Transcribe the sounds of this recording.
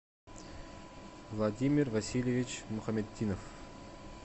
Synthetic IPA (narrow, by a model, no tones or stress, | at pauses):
vlˠad̪ʲimʲirvasʲilʲjevʲit͡ɕmuχamʲet̪ʲːinof